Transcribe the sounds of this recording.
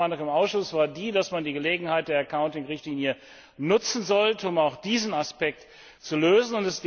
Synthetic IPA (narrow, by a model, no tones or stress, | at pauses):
andəŋɪmaʊsʃʊsv̥aːɐdiːdasmandiːɡəleːɡŋ̩haɪt̚d̥eːɐɛɐkʰaʊntɪŋʁɪçtliːnjə | nʊt͡sn̩zɔltəʊmaʊxd̥iːzn̩aspɛk̚t | t͡suløːzn̩ʊntɛsɡ̥